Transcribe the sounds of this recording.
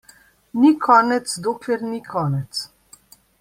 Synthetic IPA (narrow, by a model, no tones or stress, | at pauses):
nikʰɔːnɛt̪sd̪oːklɛɾnikʰɔːnɛt̪s